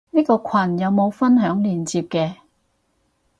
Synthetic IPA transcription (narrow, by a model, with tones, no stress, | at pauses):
niː˥kɔː˧kʷʰɐ˨˩njɐ˨˧wmo˨˧wfɐ˥nɦœː˨˥ŋliː˨˩nt͡siː˧p̚kɛː˧